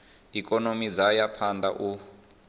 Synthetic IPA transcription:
ikʼɔnomid͡zajapʰand̪a̰ʔu

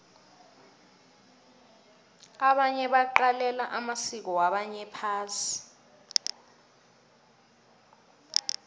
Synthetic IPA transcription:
aɓaɲɛɓaǃalɛlaʔamasik̬ɔwaɓaɲɛpʰaːsi̥

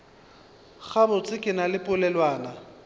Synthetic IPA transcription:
k͡xabʊt͡sʼɪkʼɪnalɪpʼʊlɛlwaːna

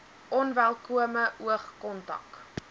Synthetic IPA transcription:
ʔɔnvælˠkuəməʔuəχkɔntɐ̰k

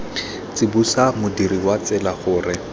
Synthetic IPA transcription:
t͡sɪbusamʊdiriwat͡sɪlaχʊːrɪ

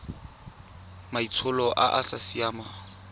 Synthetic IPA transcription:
mait͡sʰʊlɔʔa̰ʔasasiaːma

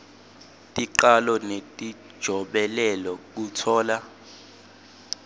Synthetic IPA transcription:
tʼiǃalɔnetʼi̥ʒ̥ʱɔɓɛlɛlɔk̬utʰɔːla

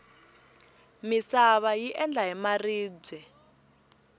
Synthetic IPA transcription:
misaβajiʔɛnd͡ɮʱaɦɛmariːb͡ʐɛ

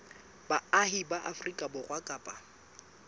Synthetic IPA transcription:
baahibaʔafrikʼabʊrwakʼaːpʼa

